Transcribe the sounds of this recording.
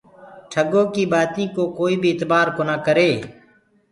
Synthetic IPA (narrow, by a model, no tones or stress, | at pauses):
ʈʰəɡõːkiːbaːt̪ĩːkoːkoːiːbʱiːɪt̪baːɾkoːnaːkəɾeː